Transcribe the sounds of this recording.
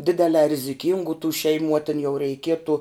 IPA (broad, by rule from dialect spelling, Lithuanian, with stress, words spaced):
ˈdʲɪdʲɛlʲɛː rʲɪzʲɪˈkʲɪŋɡuː tuː ʃʲɛɪˈmuː ɐ tʲɪn jɛʊ rʲɛɪˈkʲiɛtʊ